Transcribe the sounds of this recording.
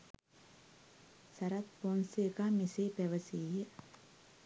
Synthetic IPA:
sɐɾat̪̚ponsekaːmiseːpæʋəsiːjə

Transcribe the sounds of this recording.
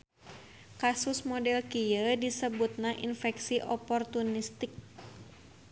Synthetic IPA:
kasusmɔdɛlkijədisəbut̪̚nahʔḭnfɛksiʔɔpɔrt̪unist̪ɪk̚

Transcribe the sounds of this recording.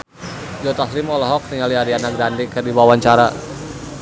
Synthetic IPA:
jɔt̪aslimɔlɔɦɔk̚niŋaliaɾianak̚dandikərdiwawaɲt͡ʃaɾa

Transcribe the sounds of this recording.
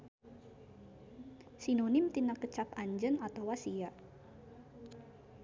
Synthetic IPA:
sinonɪmt̪inakət͡ʃapaɲd͡ʒənat̪awasijaʔ

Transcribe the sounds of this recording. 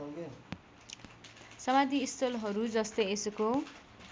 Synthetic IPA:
sʌmad̪ʱiːst̪ʌlɦʌɾud͡zʌst̪ʌjesuko

